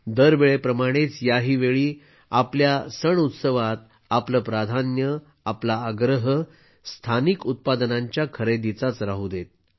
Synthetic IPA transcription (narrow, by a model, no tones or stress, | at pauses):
d̪əɾʋeɭepɾəmaɽ̃et͡sjaɦiːʋeɭiː | apljasəɳut̪səʋat̪̚ | apləpɾad̪ʱanjə | aplaːɡɾəɦə | st̪ʰanikut̪̚pad̪nãɲt͡ɕjakʰəɾed̪it͡sat͡sɾaɦud̪et̪̚